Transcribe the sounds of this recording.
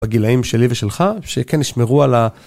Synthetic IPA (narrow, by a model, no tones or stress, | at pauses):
aɡilaimʃe̞liveʃelχaʃekeniʃmeʁuala